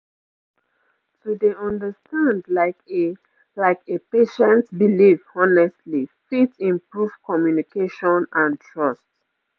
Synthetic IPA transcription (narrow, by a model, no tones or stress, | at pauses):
tudeɔ̃ndəstãnda | laɪkepeʃɛ̃ntbilivɔnɛstlifitĩmpɹuv̥kɔmjunikʰeʃɔ̃nãntʰɹɔst